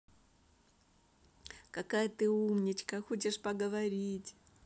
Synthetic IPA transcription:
kɐkajət̪ɨumnʲɪt͡ɕkəxot͡ɕɪʂpɐɡəvɐɾʲitʲ

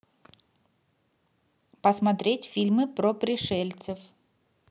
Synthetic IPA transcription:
pəsmɐt̪ɾʲetʲfʲilʲmɨpɾopɾʲɪʂɛlʲt̪səf

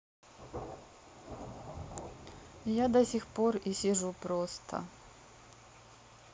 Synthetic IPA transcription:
jad̪ɐsʲixporisʲɪʐupɾost̪ʰə̰

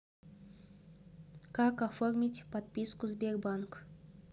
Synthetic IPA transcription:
kakaformʲitʲpɐt̪̚pʲiskʊzbʲerbank

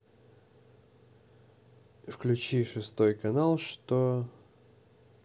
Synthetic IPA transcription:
fklʲʉt͡ɕiʂɨst̪o̞jkɐnalˠʂt̪o

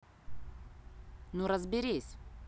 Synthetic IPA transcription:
nuɾəzbʲɪɾʲesʲ

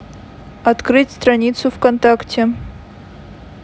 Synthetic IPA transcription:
ɐt̪kɾɨtʲst̪ɾɐnʲit̪sʊfkɐnt̪aktʲʰe

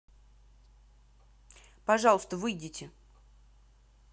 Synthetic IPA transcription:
pɐʐɑlˠəst̪əvɨjdʲitʲɪ

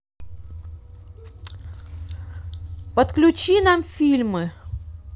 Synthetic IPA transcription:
pət̪klʲʉt͡ɕinamfʲilʲmɨ

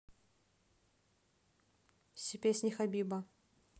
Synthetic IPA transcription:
sʲɪpʲesʲnʲɪxɐbʲibɐ

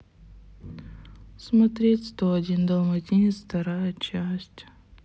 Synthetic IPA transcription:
smɐt̪ɾʲetʲst̪oɐdʲind̪ɐlˠmɐtʲinʲɪt̪sft̪ɐɾajət͡ɕæsʲtʲ

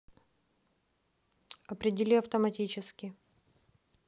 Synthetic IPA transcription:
ɐpɾʲɪdʲɪlʲiɐft̪əmɐtʲit͡ɕɪskʲɪ

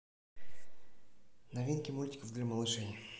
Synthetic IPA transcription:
nɐvʲinkʲɪmulʲtʲɪ̥kəvd̪lʲaməlˠɨʂɛjʲ

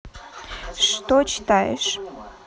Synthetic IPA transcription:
ʂt̪ot͡ɕt̪ɑjḛʃ

